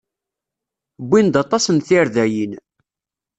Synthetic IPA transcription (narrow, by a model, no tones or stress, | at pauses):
bʷːind̪ɑt̪ˤɑsənθiɾðæjin